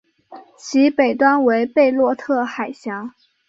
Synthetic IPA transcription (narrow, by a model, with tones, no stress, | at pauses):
t͡ɕʰi˧˥pe˨˩ɪt̪wa˥nwe˧˥ɪpe˥˧ɪlwɔ˥˧t̪ʰɤ˥˩xa˨˩ɪɕjɑ˧˥